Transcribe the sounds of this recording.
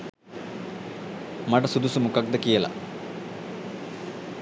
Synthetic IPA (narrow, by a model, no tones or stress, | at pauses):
mɐɖɐsud̪usumukɐk̚d̪ɐkijɐlɐ̰